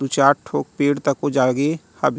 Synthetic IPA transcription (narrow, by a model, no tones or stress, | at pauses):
ut͡ʃaːʈʈʰoːk̚peːɽt̪əkod͡ʒaːɡehɐbʱ